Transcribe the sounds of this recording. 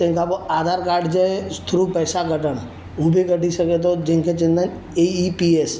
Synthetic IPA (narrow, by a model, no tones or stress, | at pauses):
t̪ẽkapoad̪ʱaɾkaːɾɖd͡ʒəst̪ʰɾupəːsaɡʱəʈən | ubʱekəʈisəket̪̬od͡ʒẽŋkʰet͡ʃẽnd̪ən | eipies